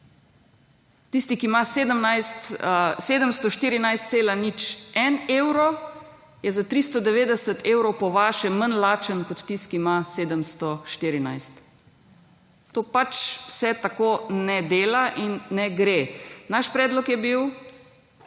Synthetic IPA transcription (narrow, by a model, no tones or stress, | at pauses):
t̪ist̪ikimaseːd̪əmnajst̪seːd̪əmst̪ɔʃt̪iːɾinajst̪seːlanit͡ʃɛneːwɾɔ | jɛzat̪ɾist̪ɔd̪ɛʋeːd̪ɛsət̪ʰewɾɔwpɔʋaːʃɛmənlaːt͡ʃənkɔt̪ːist̪kimaseːd̪əmst̪ɔʃt̪iɾina̰jst̪ | t̪oːpat͡ʃsɛt̪akonɛd̪eːlaʔinːɛɡɾenaʃpɾɛːd̪lɔkjɛbiw